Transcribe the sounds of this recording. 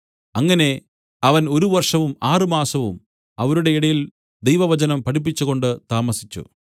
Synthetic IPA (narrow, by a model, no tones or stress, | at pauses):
ɐŋːɐne̞ | ɐʋɐnoɾuʋɐrʂɐʋumaːrɨmaːsɐʋum | ɐʋɐɾuɽe̞iɽɐjil | d̪ejʋɐʋɐt͡ɕɐnɐmpɐɽip̬ːit͡ɕːuɣo̞ɳɖɨt̪aːmɐsit͡ɕːṵ